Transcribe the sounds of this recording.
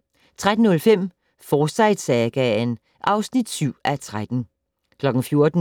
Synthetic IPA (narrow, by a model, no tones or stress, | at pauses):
t͡sʰʁad̥n̩nɔ̽lfem̰ | fɒːsɑ̈ɪd̥sɛɡ̥æn | ʔɑ̈ʊsnid̥syʊ̰æt͡sʰʁad̥n̩ | kʰlɒ̽ɡ̥n̩fjo̝ɐd̥n̩